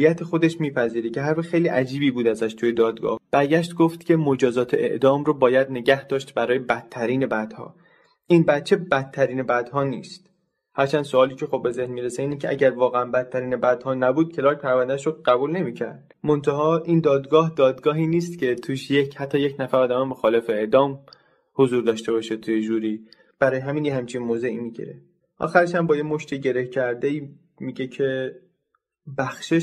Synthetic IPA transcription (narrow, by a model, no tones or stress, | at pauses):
jæt̪ʰexo̞d̪e̞ʃmiːpʰæziːɾece̞ɦæɾfæxe̞jliːʔæd͡ʒiːbiːbuːd̪æzæʃt̪ʰujed̪ɒːd̪ɡɒ̰ːhb̥æɾɟæʃt̪ɡoft̪cʲʰe̞mod͡ʒɒːzɒːt̪ʰeʔḛʔd̪ɒːmɾobɒːjæd̪ne̞ɟæhd̪ɒːʃt̪bæɾɒːjebæt̪ʰːæɾiːne̞bæd̪̥hɒ̰ː | ʔinbæt̪t͡ʃʰe̞bæt̪ʰːæɾiːne̞bæd̪hɒːniːst̪ | hæɾt͡ʃʰænd̪soɒːliːcʰe̞xo̞bːe̞ze̞hnmiːɾeseiːnicʰeʔæɟæɾvɒːɣeænbæd̪̚ʰːæɾiːnebæd̪̥hɒːnæbuːd̪̥̚cʰe̞lɒːɾk̚pʰæɾvænd̪æʃɾoɢ̥æbuːlne̞miːcʰæ̰ɾd̪̥̚ | mont̪ʰæɦɒːʔind̪ɒːd̪ɡɒːhd̪ɒːd̪ɡɒːɦiːniːst̪cʰe̞t̪ʰuːʃjechæt̪ʰːɒːjecʰnæfæɾɒːd̪æmemo̞xɒːle̞feeʔd̪ɒːm | ho̞zuːɾd̪ɒːʃt̪e̞bɒːʃet̪ʰujed͡ʒuːɾiː | b̥æɾɒːjeɦæmiːnjeɦæmt͡ʃʰinmoːze̞iːmiːɟḭɾḛ | ʔɒ̰ːxæɾeʃæmbɒːjemo̞ʃt̪ʰiɟe̞ɾe̞hcʰæɾd̪eiː | miːɟecʰe̞ | bæxʃe